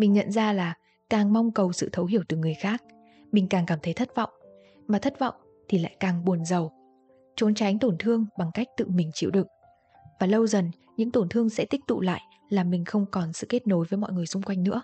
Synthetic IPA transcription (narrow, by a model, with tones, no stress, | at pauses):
mï˨˩ŋ̟ɲə̰˧˨nzaː˧laː˨˩ | kaː˨˩ŋma˧wŋ͡mkə˨˩wsɨ̰˧˨t̪ʰə˨˦wɦi˧˩əwt̪ɨ˨˩ŋɨ˨˩əjxaː˦˥k̚ | mï˨˩ŋ̟kaː˨˩ŋkaː˧˩mt̪ʰə˨˦jt̪ʰə˦˥t̚vɔ̰˧˨wŋ͡m | maː˨˩t̪ʰə˦˥t̚vɔ̰˧˨wŋ͡m | t̪ʰi˨˩la̰ː˧˨jkaː˨˩ŋɓu˨˩ənzə˨˩w | t͡ɕo˨˦nt͡ɕa˨˦jŋt̪o˧˩nt̪ʰɨ˧əŋɓa˨˩ŋka˦˥jk̟̚t̪ɨ̰˧˨mï˨˩ŋ̟t͡ɕḭ˧˥˨wɗɨ˨˩ək̚ | vaː˨˩lə˧wzə˨˩n | ɲɨ̰˧˥ŋt̪o˧˩nt̪ʰɨ˧əŋsɛ̰˧˥t̪i˦˥k̚t̪ṵ˧˨la̰ː˧˨j | laː˨˩mï˨˩ŋ̟xə˧wŋ͡mkɔ˨˩nsɨ̰˧˨ke˦˥t̚no˨˦jvəː˨˦jmɔ̰˧˨jŋɨ˨˩əjsʊ˧ŋ͡mkwa˧jŋ̟nɨ̰˧˥ə